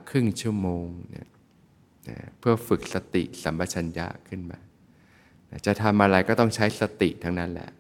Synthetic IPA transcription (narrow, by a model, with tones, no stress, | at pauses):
kʰɾɯ˥˩ŋt͡ɕʰu˥˩əmoː˧ŋna̰˦˥˩ | na̰˧˥˩pʰɯ˥˩ɐfɯ˨˩k̚sa˧t̪ḭ˨˩sa˩˦mba˧t̚t͡ɕʰa˧nja̰˦˥kʰɯ˥˩nmaː˧ | na˦˥˩t͡ɕa˨˩t̪ʰa˧mʔa˧ɾa˧jkɔː˥˩t̪ɔ˥˩ŋt͡ɕʰa˦˥jsa˧t̪i˨˩t̪ʰa˦˥ŋna˦˥nlɛ̰˧˩ʔ